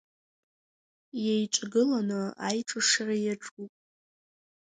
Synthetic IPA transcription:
jejʈ͡ʂʷʼɡɨlanɨajʈ͡ʂʼɨʂarajaʈ͡ʂʼupʼ

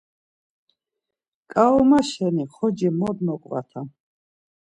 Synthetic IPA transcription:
kʼaɔmaʃɛniχɔd͡ʒimɔd̪mɔkʼva̰t̪ʰa

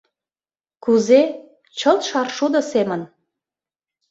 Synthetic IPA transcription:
kuze | t͡ɕəlt̪ʃɑrʃud̪ɤ̆semən

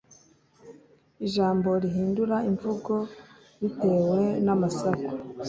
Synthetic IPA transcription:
iʒaːmbo̞ɾiɦiːnduɾaiɱvuɡo̞ | ɾite̞ːwe̞namasaku̥

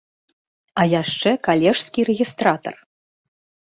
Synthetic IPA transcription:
ɐjaʂt͡ʂɛkalʲɛʂskʲiɾɛɣʲist̪ɾat̪ɐ̰r

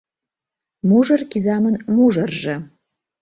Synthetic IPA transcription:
muʐərkizɑmənmuʐərʒə

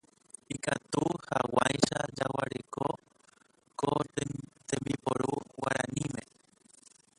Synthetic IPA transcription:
ikat̪uhawajʃad͡ʒawaɾeko | kot̪ẽmbipoɾuwaɾãnĩmẽ

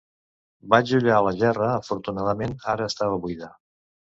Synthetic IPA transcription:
baʒuʎaələʒɛrəəfuɾt̪unaðəmenaɾəːst̪aβəβujða

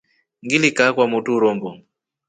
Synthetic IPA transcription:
ŋɡilikakwamutuɾɔmbɔ

